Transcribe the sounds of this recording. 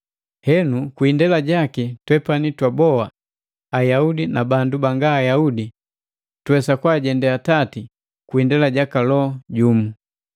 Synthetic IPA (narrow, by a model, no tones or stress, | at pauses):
hɛnukwindɛlaɟakitwɛpanitwabɔaː | jaudinabandubaŋɡaːjaudi | twɛsakwaɟɛndɛatati | kwindɛlaɟakalɔɟumu